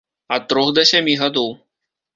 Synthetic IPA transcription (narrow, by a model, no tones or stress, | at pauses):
ɐt̪ːɾɔxd̪ɐsʲamʲiɣad̪ɔw